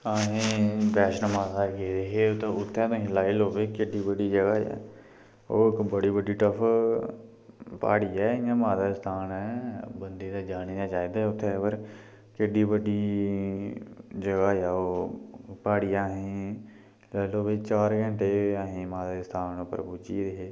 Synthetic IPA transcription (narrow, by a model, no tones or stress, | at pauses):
aːɦẽːbɛːʃnmaːzaːɾkeːeɦeːt̪ːʊt̪ʰːɛ̃ːt̪õɦĩːlaːiloːbeːkɪɖiːbəɖiːd͡ʒəɡaːɛ̰ː | o̰ːɪkbəɽiːbəɖiːʈəpʰ | pa̰ːɽiːɛ̃ːãːmaːd̪aːɾɪst̪ʰaːnɛːbənd̪eːd̪aːd͡ʒaːniːãːt͡ʃaːiːd̪aːʊt̪ʰːɛ̃ːpəɾ | kɪɖiːbəɖiː | d͡ʒəɡaːjaːoːpaːɽijãːɦẽː | laːiloːʋeːt͡ʃaːɾɡə̃ɳʈeːaːɦẽːmaːd̪aːɾɪst̪ʰaːnpəɾbuːd͡ʒḭːɾeɦeː